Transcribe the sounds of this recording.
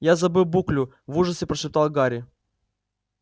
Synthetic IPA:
jazɐbɨlˠbuklʲʊ | vuʐəsʲɪpɾɐʂɨp̚t̪ɑlˠɡaɾʲɪ

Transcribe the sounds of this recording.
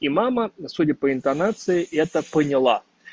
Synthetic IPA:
imaməsudʲɪpəɪnt̪ɐnat̪sɨjɪʔɛt̪əpənʲɪlˠa

